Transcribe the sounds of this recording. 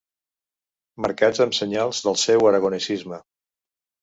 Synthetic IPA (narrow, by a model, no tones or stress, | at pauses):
məɾkad͡zəmsəɲalˠzðəlˠsɛwəɾəɣunisizmə